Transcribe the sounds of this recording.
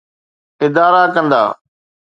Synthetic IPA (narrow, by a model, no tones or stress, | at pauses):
ɪd̪aːɾakə̃nd̪a̰ː